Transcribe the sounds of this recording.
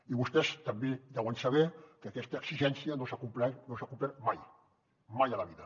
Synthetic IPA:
iβust̪ɛst̪əmbed̪ɛwənsəβɛkəːkɛst̪əːksiʒɛnsiənosakumplɛnosakumplɛɾmaj | majələβiðə

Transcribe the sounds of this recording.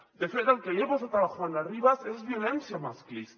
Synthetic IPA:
d̪efet̪alkejeβosat̪ɾaβaxaɾenariβasezβjo̞le̞nθjamasklis

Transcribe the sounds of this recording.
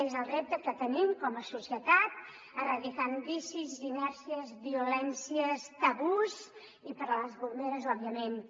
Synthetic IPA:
ezəlˠrep̚t̪əkət̪ənimkɔməsusiət̪at̪̚ | ərəðikanbisizːinɛɾsiəzβiulɛnsiəst̪əβuz | ipəɾləzβund̪eɾəzɔβiəmen

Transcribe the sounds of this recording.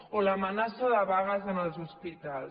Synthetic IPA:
oləmənasoðəβaɣəzənəlzuspit̪al

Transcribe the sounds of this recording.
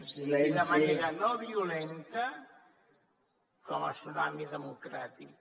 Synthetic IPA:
d̪əmaneɾənoβiulent̪ə | kɔmə̰sunamiðəmukɾa̰t̪ik

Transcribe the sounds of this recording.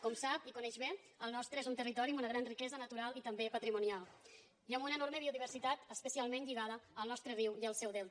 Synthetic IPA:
kɔmsapikunɛʒβe | əlˠnɔst̪ɾəezunt̪ərit̪ɔɾimunəɣɾanrikɛzənət̪uɾalˠit̪əmbepət̪ɾimunialˠ | iəmbunəːnoɾməβioðiβəɾsit̪at̪əspəsialˠmẽnʎiɣ̞aðəəlˠnɔst̪ɾəriwiəlˠsɛwðɛlt̪

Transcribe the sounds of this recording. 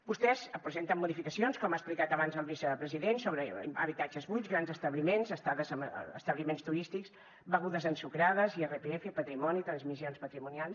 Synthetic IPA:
bust̪ɛszəpɾəzent̪əmːuðifikəsionskɔmasplikat̪əβanzəlˠβisəpɾəziðensoβɾəə̰βit̪ad͡ʒəzβuj̪ɣɾanzəst̪əβlimenzəst̪aðəzə̰ə̰st̪əβlimenst̪uɾist̪iks | bəɣuðəzənsukɾaðəzierepeɛfəpət̪ɾimɔnit̪ɾənzmisionspət̪ɾimunialˠs

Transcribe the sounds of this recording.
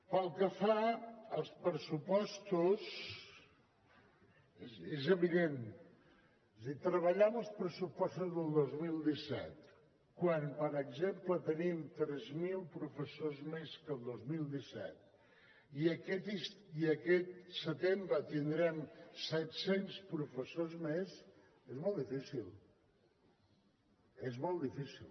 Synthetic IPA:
pəlˠkəfaəlˠspɾəsupɔst̪us | ezəβiðen | zðit̪ɾəβəʎɛməlˠspɾəsupɔst̪uzðəlˠd̪ozmilˠd̪isɛ̰t̪ | kwanpəɾəɡzemplət̪ənimt̪ɾɛzmilˠpɾufəsozmeskəlˠd̪ozmilˠd̪isɛ̰t̪̚ | iəkɛt̪isiəkɛt̪̚sət̪embɾət̪ind̪ɾɛmsɛt̪senspɾufəsozmes | ezmɔlˠd̪ifisilˠ | ezmɔlˠd̪ifisilˠ

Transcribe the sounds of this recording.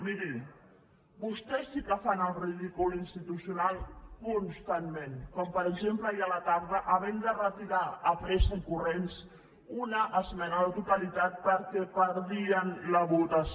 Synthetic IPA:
miɾi | bust̪ɛsːikəfanəlˠriðikulinst̪it̪usjunalˠkunst̪anmẽnkɔmpəɾəɡʒempləjialat̪aɾðəʔəβɛnd̪ərət̪iɾaəpɾeskuŋkurens | unəʔːzmɛnəðət̪ut̪alit̪at̪̚pəɾkɛpəɾðiənləβut̪as

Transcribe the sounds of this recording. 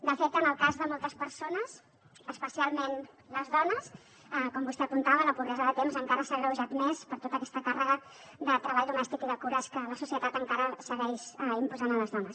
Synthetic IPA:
d̪əfet̪ənəlˠkazðəmɔlˠt̪əspəɾsonəs | əspəsialˠmen | ləzðɔnəs | əkɔmbust̪ɛəpunt̪aβələpurɛzəðət̪emzəŋkaɾəsaβəuʒat̪mespəɾt̪ot̪əkɛst̪əkarəɣə | ðət̪ɾəβaʎd̪umɛst̪ikiðəkuɾəskələsusiət̪at̪əŋkaɾəsəɣɛʃəimpuzanələzðɔnəs

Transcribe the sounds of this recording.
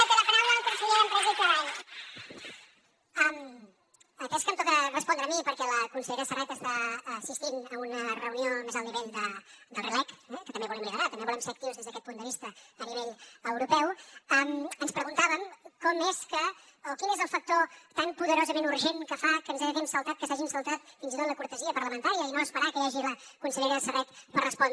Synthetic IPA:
əkeləpəɾawləpunsiʎeɾəmpɾəɣunt̪aan | am | əkɛskəmpɔðɾərəspɔnd̪ɾəmipəɾkɛləkunsəʎɾəsərɛt̪əst̪aəsist̪inəunərəuniomezəlˠniβeʎd̪əd̪əlˠrəlɛkɛkət̪əmbeβulɛmliəɾat̪əmbeβulɛmsek̚t̪iuzðezðəkɛt̪pund̪əβist̪əəniβeʎəwɾupɛwəmənspɾəɣunt̪aβəmkɔmeskə | lkinezəlˠfək̚t̪ot̪ampuðəɾozəmenuɾʒenkəfakənzaʒəɣɛmsəlˠt̪at̪̚kəsaʒimsəlˠt̪at̪finzit̪ot̪ləkuɾt̪əziəpəɾləmənt̪aɾiəinoːspəɾakəjaʒiləkunsəʎeɾəsərɛt̪pərəspɔn

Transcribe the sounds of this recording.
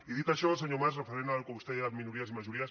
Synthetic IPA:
iðit̪aʃos̬aɲomasrefeɾenalkoust̪eamĩnuɾiasimaʃuɾias

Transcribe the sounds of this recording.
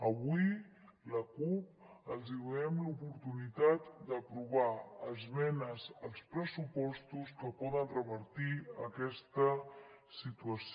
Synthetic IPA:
əβuiləkup̚əlˠziβɛmlupuɾt̪unit̪at̪d̪əpɾuβaəzβɛnəzəlˠspɾəsupɔst̪uskəpɔðənrəβəɾt̪iəkɛst̪ə | sit̪uəs

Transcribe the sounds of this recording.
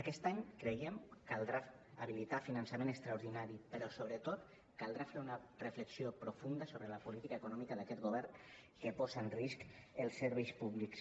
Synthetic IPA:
akɛst̪aɲkɾejemkalˠd̪ɾaː | β̞ilit̪afinansamẽnəkst̪ɾauɾðinaɾipəɾɔsoβ̞ɾət̪ot̪ | kalˠd̪ɾafeɾunərəfləksiopɾofund̪əsoβɾəlapulit̪ikaekunɔmikəðakɛt̪ɡoβɛɾn | kəpɔzaənriskəlˠsəɾβɛjspuβliks

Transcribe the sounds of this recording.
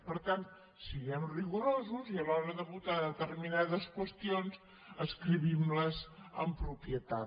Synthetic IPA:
pəɾt̪ant̪ | siɣɛmriɣuɾozuziəlɔɾəðəβut̪aðət̪ərminaðəskwəst̪ionz | əskɾiβimləzəmpɾupiət̪a

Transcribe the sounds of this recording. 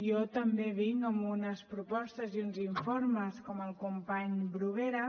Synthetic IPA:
iɔt̪əmbeβiŋəmunəspɾupɔst̪əziunziɱforməskɔməlˠkumpaɲbɾuβ̞eɾə

